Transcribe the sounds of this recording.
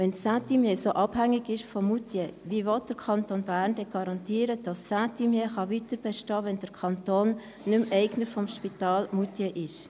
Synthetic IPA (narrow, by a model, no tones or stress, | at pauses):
ʋɛnsatimjesoʔɑb̥hæŋːɪɡɪʃfɔmutjɛʋiːvɔt̚d̥əɾkʰɑntoːnbæːɾnd̥ɛɡ̥ɑɾɑntiːəɾəd̥ɑsːatimjeχɑʋitəɾb̥ɛʃtɑːʋɛndəɾkʰɑntoːnː | ʏmʔɛɪɡnəfɔmʃpitɑːlmutjɛʔɪʃ